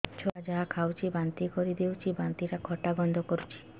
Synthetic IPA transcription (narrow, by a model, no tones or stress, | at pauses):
t͡ʃʰɔad͡ʒaɦakʰawt͡ʃʰibant̪ikɔɾid̪ewt͡ʃʰibant̪iɾakʰɔʈaɡɔnd̪ʱɔkɔɾut͡ʃʰi̥